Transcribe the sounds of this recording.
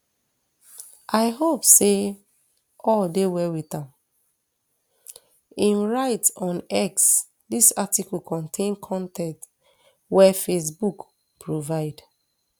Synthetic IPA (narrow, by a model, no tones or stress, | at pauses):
ʔaɪɦopse | ɔldewɛwitãm | ĩnɹaɪtɔ̃nɛks | disatikɔlkʰɔ̃ntʰẽnkʰɔ̃ntɛ̃nt | wɛfes̬buk | pɹovaɪd̥